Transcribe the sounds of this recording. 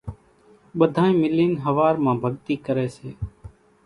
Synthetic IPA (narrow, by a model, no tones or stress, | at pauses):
ɓəd̪ʱãːĩːmɪliːnɦəʋaːɾmãːbʱəɠt̪iːkəɾeːseː